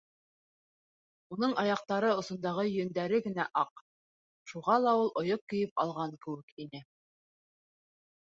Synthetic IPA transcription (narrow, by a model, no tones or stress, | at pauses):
unɤɴɑjɑq̚t̪ɑɾɤŏsŏnd̪ɑʁɤjɵ̆nd̪æɾɘɡɘ̆næʔɑq | ʃuʁɑlˠɑulˠʔŏjop̚kːɵ̆jɘp̚ɑ̰lˠʁɑŋkɘ̆wɘ̆kinɘ